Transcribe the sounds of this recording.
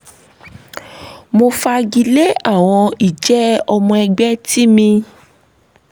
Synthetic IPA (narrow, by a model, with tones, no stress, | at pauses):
mo˧fa˧ɡi˧le˦a˦˨w̃ɔ̃˧i˨d͡ʒɛ˨˦ɔ˧mɔ̃˧ɛ˧ɡ͡bɛ˦ti˦mĩ˧